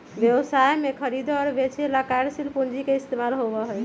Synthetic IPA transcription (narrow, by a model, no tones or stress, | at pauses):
bjəbsajmekʰəɾid̪ɔɾbet͡ʃʰelakaɾsilpund͡ʒikeist̪emalɦobəɦoj